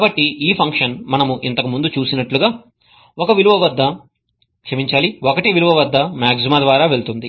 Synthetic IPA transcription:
kːbɐʈːiiːpʰɐŋkʂɐnmɐnɐmuʔḭnt̪ɐkumund̪ut͡ʃuːsinɐʈluɡaː | okɐʋiluʋɐʋɐd̪ʱːɐ | kʂɐmiɲt͡ʃaːliokɐʈiʋiluʋɐʋɐd̪ːɐmaːɡs̬imaːd̪ʋaːɾaːʋe̞ɭt̪und̪i

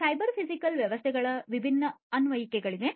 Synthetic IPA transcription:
sɐjbɐɾpʰisikɐlʋjɐʋɐst̪ʰɛɡɐɭɐʋibʱinːɐɐnʋɐjikɛɡɐɭid̪e̞

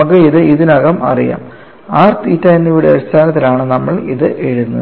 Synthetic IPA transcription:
ɐɣɨiðɨiðinɐɣɐmɐ̰rija̰ːm | aːrt̪iːtːajenːiʋiɽeɐɽist̪ʰaːnɐt̪ːilaːɳɨnɐmːɐɭiðɨʔeɻunːṵ

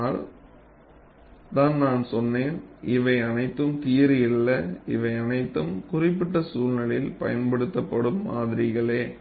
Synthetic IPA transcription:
ɭ | naːnnaːnsɔnːeːnʔɪʋɐɪɐnɐɪt̪ːɯmt̪iːjɐɾɪjɪlːɐɪ̰ʋɐɪɐnɐɪt̪ːɯmkʊrɪpːɪʈːɐsuːlnɐɭɪlpɐ̰jɐnpɐɽɯt̪ːɐpːɐɽɯmːa̰ːðɪɾɪɣɐɭeː

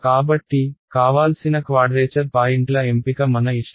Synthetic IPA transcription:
kaːbɐʈːikaːʋaːlsinɐkʋaːɖɾeːt͡ʃɐɾpaːjiɳʈlɐempikɐmɐnɐiʂ

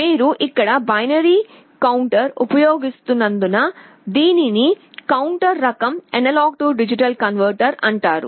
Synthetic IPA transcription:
miːɾuʔikːɐɽɐbɐjnɐɾiː | kɐwɳʈɐɾupɐjoːɡist̪unːɐnd̪unɐ | d̪iːnini | kɐwuɳʈɐɾːɐkɐmenɐlaːɡ̚ʈuɖid͡ʒiʈɐlkɐnʋɐɾʈɐɾɐɳʈaːɾṵ

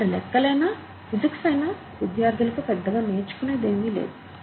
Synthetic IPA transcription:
ɐɾilɛkːɐlɐjnaː | ʋid̪ɐksɐjnaː | ʋid̪ʱjaːɾd̪ʱilɐkupɛd̪ːɐɡaːneːt͡ʃu̥kuneːd̪enɡ̪ilḛːd̪u

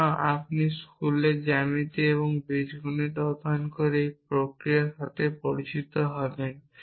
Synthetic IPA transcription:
apniskuleɾd͡ʑamit̪eeβoŋbeʃɡʱuneɾɔd̪ʱankoɾejpɾokɾijaʃat̪epoɽit͡ɕit̪oɦɔben

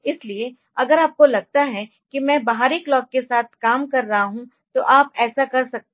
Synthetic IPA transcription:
ɪslie | ɐɡəɾaːp̚kolɐɡ̚t̪aɦɛ | kimɛ̃ːbaɦaːɾiklɔːkːesaːt̪̚ʰkaːmkɐɾːɐɦaɦũ | t̪oʔaːpɛːsakɐɾsɐk̚t̪

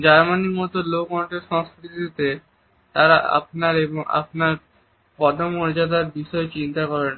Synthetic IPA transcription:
d͡ʑaɾmanimɔt̪olomɔɳʈeɾʃɔ̃ŋskɾiid̪it̪e | t̪aɾaa̰pnaɾeboŋa̰pnaɾ | pɔd̪ʱomoɾd͡ʑad̪aɾbiʃɔet͡ɕint̪akɔɾen

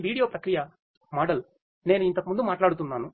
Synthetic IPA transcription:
ʋiːɽijoːpɾɐkɾijɐ | mɔːɽɐl | ne̞ːnuint̪ɐkumund̪umaːʈlaːɽut̪unːaːnu

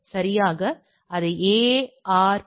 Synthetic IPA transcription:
sɐɾɪjaːɣɐ | ɐðɯeːaːɾ

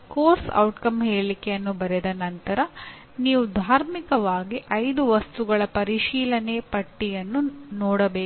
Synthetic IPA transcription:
koːɾsɐ̰wʈkɐmɦe̞ːɭikejɐnːubɐɾɛd̪ɐnɐnt̪ɐɾɐ | niːʋud̪ʱaːɾmikɐʋaːɡiʔɐjd̪uʋɐst̪uɡɐɭɐpɐɾiʃiːlɐnepɐʈːijɐnːunɔːɽɐbeː

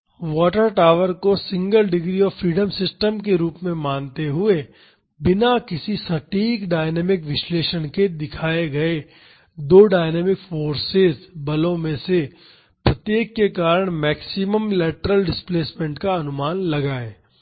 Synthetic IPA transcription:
ʋɔːʈəɾʈaːʋəɾkosɪ̃ŋɡəlɖɪɡɾiɔːfɾiːɖəmsɪsʈəmk̬eɾuːpmẽmaːnt̪eɦʊe | bɪnakɪsisɐʈiːkɖaːɪnɛːmɪkʋɪʃleːʃənked̪ɪkʰaːeɡɐe | d̪oːɖaːɪnɛːmɪkfoːɾsɪzbɐlõmẽse | pɾɐt̪jeːkːekaːɾəɽ̃mɛːksɪməmlɛːʈəɾəlɖɪspleːsmẽɳʈkaɐnʊmaːnlɐɡaːeː

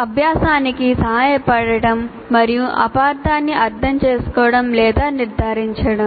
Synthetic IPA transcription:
ɐbʱjaːsaːnikiːsɐɦaːjepɐɽɐʈɐmː | ɐɾjũʔɐ̰paːɾt̪aːnːiʔɐɾd̪ɐnt͡ʃeːskoɽɐmleːd̪aːniɾd̪ʱaːɾiɲt͡ʃʰɐɽɐm

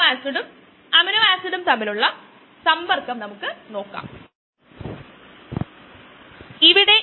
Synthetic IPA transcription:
aːsuɽum | ɐminuaːsuɽumt̪ɐmːiluɭːɐ | sɐmbɐrkːɐmnɐmukːɨno̞ːkːa̰ːm | iʋiɽe̞

